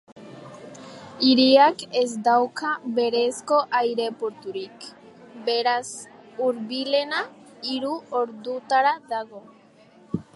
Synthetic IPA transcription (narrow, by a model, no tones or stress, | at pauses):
iɾiakezd̪awkʰaβe̞ɾe̞sko̞ʔajɾe̞poɾt̪uɾik | beɾasuɾβile̞na | iɾuoɾðut̪aɾaðaɣo̞